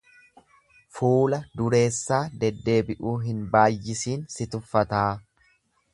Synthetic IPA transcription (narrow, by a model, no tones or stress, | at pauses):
fuːlɐd̪ʊɾe̞ːsːaːd̪ɛd̪ːe̞ːbɪʔuːɦɪnbaːjːɪsiːnsɪt̪ʊfːɐt̪aː